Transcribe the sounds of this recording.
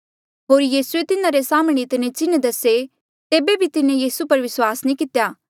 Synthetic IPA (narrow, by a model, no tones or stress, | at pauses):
ɦoːɾjiːsuet̪ɪnãɾesaːmɽ̃eɪt̪ɪnẽt͡ʃɪnd̪ɐse | t̪eːbebʱit̪ɪnẽjiːsupɐɾʋɪswaːsnĩːkɪt̪jaː